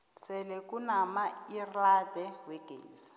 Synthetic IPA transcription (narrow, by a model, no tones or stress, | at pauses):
t͡sʰɛlɛkunamairadɛwɛɡ̥ḛːsi̥